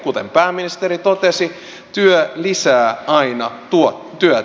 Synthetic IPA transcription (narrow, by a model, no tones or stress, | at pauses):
kut̪empæːmːinist̪eɾit̪ot̪esi | t̪yølisæːɑinɑt̪uo | t̪yø